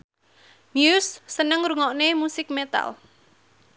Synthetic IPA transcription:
njusːənəŋɾuŋɔʔnemusɪk̚met̪a̰l

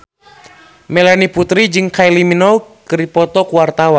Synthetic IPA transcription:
mɛlaniput̪ɾid͡ʒɨŋkajliminɔkɨɾipɔt̪ɔkuwart̪awan

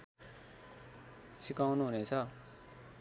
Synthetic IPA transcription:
sikawnuɦunet͡sʰʌ

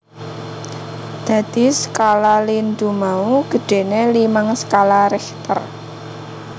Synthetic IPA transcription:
d̪̥ä̤d̪̥i̤sə̥kalalind̪umauɡ̥ə̤ɖ̥e̤nelimaŋsə̥kalaɾɛht̪ə̰r

